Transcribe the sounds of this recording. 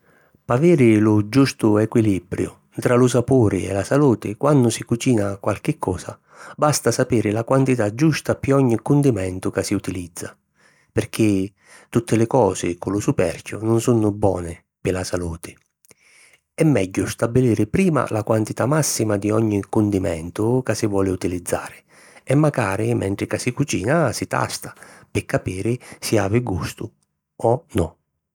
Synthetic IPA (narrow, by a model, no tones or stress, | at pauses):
paviːɾɪlʊd͡ʒust̪ʊɛkwilibɾjʊ̰ | t̪ɾalʊsapoːɾɪ̰ɛ̰lasaluːt̪ɪkwanːʊsikut͡ʃiːnakwalk̟ɪkʰːɔːsa̰ | bast̪asapiːɾɪlakwant̪it̪ad͡ʒːust̪apiɔɲːikʊnd̪imɛnt̪ʊkasːiut̪ilid̪zːa̰ | pɪrk̟ɪ | t̪ut̪ːɪlɪkɔːsɪkʊlʊsupɛ̰rkʰʲjʊ̰nʊnsunʊbwɔ̰ːnɪ | pɪlasaluːt̪ʰɪ̥ | ɛmːɛɟːʊst̪abːiliːɾɪpɾiːma̰lʔakwant̪it̪amasːimad̪iɔɲːikund̪imɛ̰nt̪ʊkasɪvwɔːlɪut̪ilid̪zːa̰ːɾɪ | ɛmːaɡaːɾɪmʔɛ̰ɳt̪ɾɪkasikut͡ʃiːnasɪt̪a̰st̪ḁpɪkːapiːɾɪsia̰ːvɪɡust̪ʊ | ɔnɔ